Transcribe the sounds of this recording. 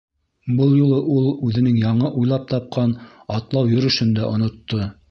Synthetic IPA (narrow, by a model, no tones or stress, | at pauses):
bɤlˠjulˠɤʔulˠʉðɘ̆nɘŋjɑɴɤʔujlˠɑp̚t̪ɑp̚qɑnɑt̪lˠɑwjɵ̆ɾɵ̆ʃɵnd̪æʔŏnŏt̪ːo